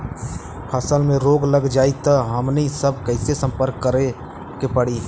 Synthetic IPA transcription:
pʰəsəlmẽɾoːɡləɡd͡ʒaːit̪əɦɐmnisəb̚kəɪsesə̃mpəɾkːəɾe | kepəɽiː

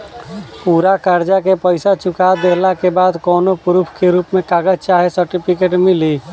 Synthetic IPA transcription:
puːɾakəɾd͡ʒakepəɪsat͡ʃʊkad̪eːɦlakebaːd̪kɔːnopʊɾupʰkeɾuːpmẽkaːɡəd͡ʒt͡ʃaːɦesəɾʈipʰɪkeːʈmɪliː

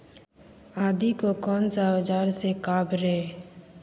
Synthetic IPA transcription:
aːd̪ikokɔːnsaəd͡ʒaːɾsekaːbɾɛː

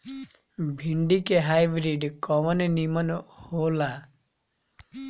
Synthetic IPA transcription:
bʱiɳɖikeɦajbɾiɖkɔmɔnenimɔnɔhola

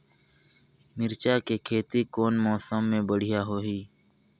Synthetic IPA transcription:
mɪɾt͡ʃaːkeːkʰeːt̪iːkoːnmɔːsəmːẽːbəɽ̤ɪjaːɦoːɦiː

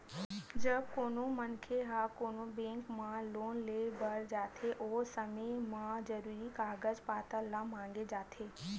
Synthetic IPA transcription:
d͡ʒəb̚koːnõmənkʰeɦaːkoːnõbẽːŋkmãloːnleːbəɽd͡ʒaːt̪ʰeʔoːsəmemãzəɾuːɾikaːɡəzpaːt̪əlãmãːŋ̆ɡed͡ʒaːt̪ʰeː

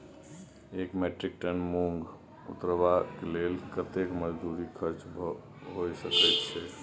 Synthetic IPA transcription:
ekmeʈɾik̚ʈənmuŋɡ | ṵt̪ɾəbakelelkət̪ekməd͡ʒd̪uɾikʰəɾt͡ʃb | ɦojsəkɛt̪t͡ʃʰɛ

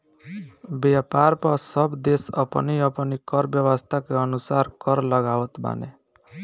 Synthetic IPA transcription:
bjapaɾpʌsʌbd̪esʌ̰pʌ̰niʌpʌnikʌɾbjʌwʌst̪ʰakeʌnusaɾkʌɾlʌɡawɔt̪ba̰nḛ

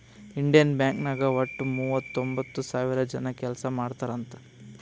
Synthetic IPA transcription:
iɳɖijɐnbjaːŋknɐɡɐʋɐʈːumuːʋɐt̪ːombɐt̪ːusaːʋiɾɐd͡ʒɐnɐkɛlɐsɐmaːɽt̪aːɾɐnt̪ɐ̥

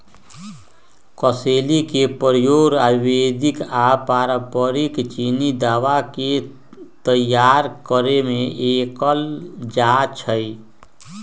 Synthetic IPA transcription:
kɔseːlikepəɾjoːɾaːbiwed̪ɪkapaːɾəpəɾikt͡ʃinid̪aːwake | t̪əjːaːɾkəɾemẽʔeːkəld͡ʒat͡ʃʰəi

